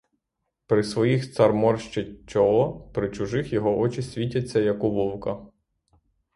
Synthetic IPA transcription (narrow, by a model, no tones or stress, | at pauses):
pɾɪsʋɔjixt̪sɐrmɔrʃt͡ʃɪt͡ʃɔlˠɔpɾɪt͡ʃʊʒɪxjɔɦɔʔɔt͡ʃɪsʲʋʲitʲɐt͡sʲːɐjɐkʊʋɔwkɐ